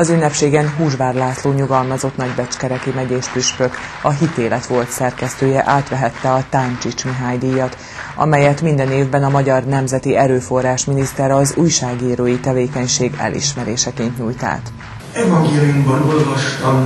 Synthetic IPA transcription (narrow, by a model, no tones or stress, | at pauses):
ɒzynːɛpʃeːɡɛnɦuːʒʋaːrlaːsloːɲuɡɒlmɒzo̞t̪nɒɟbɛt͡ʃkɛɾɛkimɛɟeːʃpyʃpø̞kɒɦit̪eːlɛt̪ʋo̞lt̪sɛrkɛst̪øːjɛʔaːt̪ʋɛɦɛt̪ːɛɒt̪ant͡ʃit͡ʃmiɦaːjd̪ijɒt̪ | ʔɒ̰mɛjɛt̪mind̪ɛneːvbɛnɒmɒɟɒrnɛmzɛt̪iɛɾøːfo̞rːaːʃminist̪ɛɾɒzuːjʃaːɡiːɾøːjit̪ɛveːkɛɲʃeːɡɛ̰lʔḭʃmɛɾeːʃɛkeːnt̪ɲuːjt̪a̰ːt̪ | ɛvɒŋɡeːlijumbɒno̞lvɒʃt̪ɒm